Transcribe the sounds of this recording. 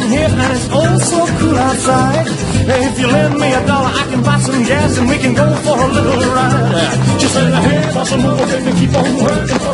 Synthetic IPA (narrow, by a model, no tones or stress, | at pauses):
ɦiɹɨ̃nɨtsɔlˠsoʊkʰulˠaʊtsaɪd̚ | ɨɪfjɨlɛ̃n̚miɨdɔlˠə˞ʔaɪkɨ̃nbaɪsʌ̃mɡæsɨ̃nwikɨ̃nɡoʊfə˞əlɪɾl̩ˠɹḁ | ʒ̥ʌstẽŋahiɹpɑsə̃m̩fəfẽkɨ̃kʰipõʊ̃nwɜ˞kɪ̃